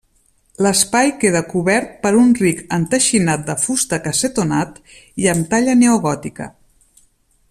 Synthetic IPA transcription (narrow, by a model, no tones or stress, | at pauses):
ləspajkeð̞əkuβɛɾt̪̚pəɾunrikənt̪əʃinat̪̚d̪əfust̪əkəset̪unat̪ | iəmt̪aʎəneuɣɔt̪ikə̰